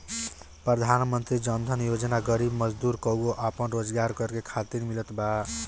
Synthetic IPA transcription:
pɾəd̪ʱanmənt̪ɾid͡ʒʌnd̪ʱənjod͡ʒnaɡəɾibmʌd͡ʒd̪uɾkɔwɡoʔapənɾod͡zɡaɾkʌɾkekʰat̪iɾmilət̪ba

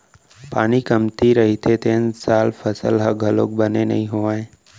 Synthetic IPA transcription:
paːñikəmt̪iɾəɦit̪ʰet̪ensaːlfʰəsəlɦəɡʱəlo̰k̚bənenə̰ɦĩɦoʋaːẽ

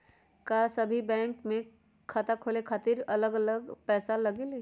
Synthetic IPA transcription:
kasɐbʱibɛ̃ːŋkmẽ | kʰaːt̪akʰoːlekʰaːt̪iɾɐləɡɐləɡpɛːsalɐɡeleː

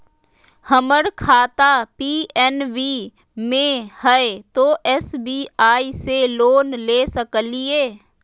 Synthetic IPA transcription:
həməɾkʰaːt̪apiːɛnʋiː | mẽhəet̪oʔɛsbiːaːiseloːnleːsəklieː

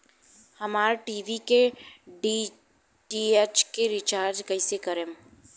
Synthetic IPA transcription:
hɐmaːɾʈiːʋikeɖi | ɖiːet͡ʃkeɾɪt͡ʃaːɾd͡ʒkəisekəɾẽm

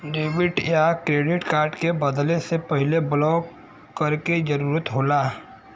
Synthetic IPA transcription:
ɖeːwɪʈjakɾeːɖɪʈkaːɾɖkebɐd̪lẽsepɐɦɪleblɔːk | kːɐɾked͡ʒɐɾuːɾət̪ɦoːlaː

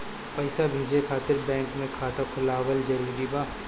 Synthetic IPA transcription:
pɐɪsabʱiːd͡ʒekʰaːt̪ɪɾbɛ̃ːŋkmẽkʰaːt̪akʰʊlaːwəld͡ʒɐɾuːɾibaː

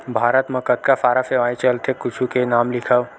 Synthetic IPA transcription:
bʱaːɾət̪məkət̪̚kafaːɾaseʋaːit͡ʃəlt̪ʰekʊt͡ʃʰukenaːmlɪkʰəʋ

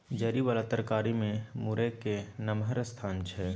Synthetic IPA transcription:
d͡ʒəɾiʋaːlat̪əɾkaːɾimẽmuɾekenəmɦəɾst̪ʰaːnt͡ʃʰɛː

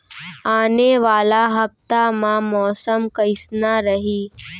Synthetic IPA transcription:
aːneʋaːlaɦɐp̚t̪amãmɔːsəmkɐɪsnaɾəɦiː

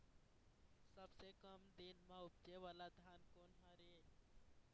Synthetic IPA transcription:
səbsekəmd̪inmãʊp̚d͡ʒeʋaːlad̪ʱjaːnkoːnɦaɾe

